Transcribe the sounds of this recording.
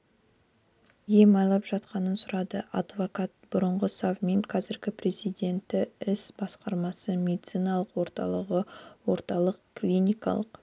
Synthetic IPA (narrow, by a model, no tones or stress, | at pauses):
jemɑjlˠɑpʒɑt̪qɑnənsʊɾɑd̪əʔɑd̪vo̞kat̪̚b̥ʊɾəɴʁəsɑvmeŋqʰɑzɪɾɡʲɪpre̞zijd̪e̞nt̪ːɪɪsb̥ɑsqɑɾmɑsəme̞d̪it̪sijnɑlˠəqwo̞ɾt̪ɑ̰lˠəʁəwo̞ɾt̪ɑlˠəqklʲinʲijkɑ̰lˠəq